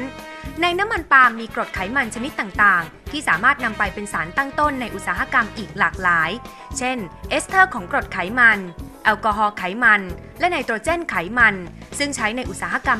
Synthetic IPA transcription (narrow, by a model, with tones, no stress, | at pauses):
n | na˧jna˦˥mːa˧npaː˧mːiː˧kɾo˨˩t̪̚kʰa˩˦jma˧nt͡ɕʰa˧ni˦˥t̪ːaː˨˩ŋt̪aː˨˩ŋ | t̪ʰiː˥˩saː˩˦maː˥˩t̪̚na˧mpa˧jpe˧nsaː˩˦nt̪a˥˩ŋt̪o˥˩nːa˧jʔu˨˩t̪̚saː˨˦ɦa˧˥ka˧mʔiː˨˩k̚laː˨˩k̚laː˩˦j | t͡ɕʰe˥˩nʔeː˦˥st̪ʰɤː˥˩kʰɔː˩˦ŋkɾo˨˩t̪̚kʰa˩˦jma˧nʔɛ˧wkɔː˧ɦɔː˧kʰa˩˦jma˧n | lɛ˦˥na˧jt̪u˧t͡ɕe˥˩nkʰa˩˦jma˧nsɯ˥˩ŋt͡ɕʰa˦˥jna˧jʔu˨˩t̪̚saː˩˦ɦa˧ka˧m